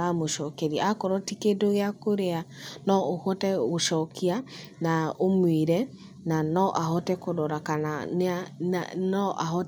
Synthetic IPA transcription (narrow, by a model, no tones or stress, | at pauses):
amoʃɔkɛɾiakɔɾɔtikedoɣeakoɾɛanɔohɔtɛɣoʃɔkia | naomweɾɛ | nanɔʔahɔtɛkodɔɾakanaa̰nɔʔahɔ